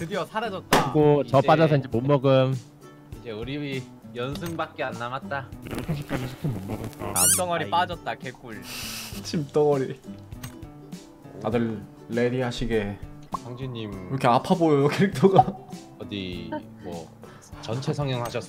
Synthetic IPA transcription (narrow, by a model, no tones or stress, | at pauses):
kɯdiʌsʰaɾad͡ʑʌt̚t͈aɡot͡ɕʌp͈ad͡ʑʌs̬ʰʌiɲd͡ʑemomːʌɡɯm | id͡ʑe̞uɾii | jʌnsʰɯŋbak̚k͈eanːamat̚t͈asʰaɕ̬ʰik͈ad͡ʑisʰikʰɯmommʌɡʌa̰mt͈ʌŋʌɾip͈ad͡ʑʌt̚t͈akʰek͈uɭt͡ɕʰimt͈ʌŋʌɾi | tadɯɭː | eɾiɦaɕʰiɡe̞ | sʰʌŋd͡ʑʰiɲimiɾʌkʰe̞apʰabojojokeɾik̚tʰoɡa | ʌdi | mʌ̰ | t͡ɕʌnt͡ɕʰe̞sʰʌŋjʌŋɦaɕʰʌs͈